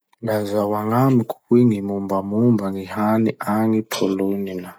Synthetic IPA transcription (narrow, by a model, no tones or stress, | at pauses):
lazawaŋamikʼukwiŋimumbʱamumbaŋɡihaniʔaŋipʰɔlonina